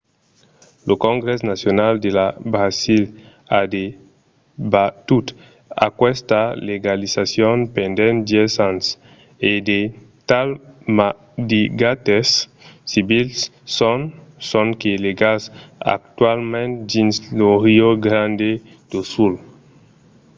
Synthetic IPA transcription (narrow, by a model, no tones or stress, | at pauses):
lokõŋɡɾɛs̬nasjonald̪elabɾazil | ad̪e | bat̪ut̪ | a̰kwɛst̪aleɡalizasjonpend̪ɛ̃nd̪jɛzãns | ed̪e | t̪alma | d̪iɡat̪esːibilsːonsõŋkeleɡaza̰k̚t̪walmẽnt̪d̪insloɾioɡɾãnd̪e | d̪̥osul